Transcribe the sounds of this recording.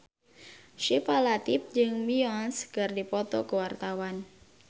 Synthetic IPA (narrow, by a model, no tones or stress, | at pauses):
ʃifalat̪ip̚d͡ʒɨŋmiɔnskɨrdipɔt̪ɔkəwart̪awan